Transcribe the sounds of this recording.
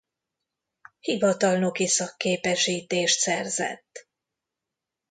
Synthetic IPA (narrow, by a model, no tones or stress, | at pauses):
hivɒt̪ɒlno̞kisɒkːeːpɛʃiːt̪eːʃt̪sɛrzɛ̰t̪ː